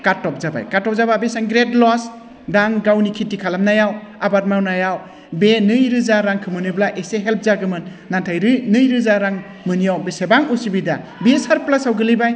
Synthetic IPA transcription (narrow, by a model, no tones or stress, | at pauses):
katːɔp̚zaba̰jkaɾtɔp̚zababesaŋɡɾedlɔs | daŋɡawnikʰitːikʰalamnajawabat̚mawnajaw | benɯjɾɯzaɾaŋkʰɯmɯnɯblaʔeseɦelp̚ʰzaɡɯmɯnːantʰajɾɯnɯjɾɯzaɾaŋ | mɯnijawbesebaŋusibida | bisaɾplasawɡɯlijbaj